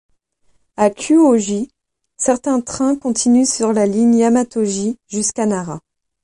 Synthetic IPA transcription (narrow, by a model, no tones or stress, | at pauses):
akʲʰyoʒi | sɛʁt̪ɛ̃t̪χɛ̃kɔ̃t̪ʰinysyʁlaliɲamat̪oʒiʒyskanaʁa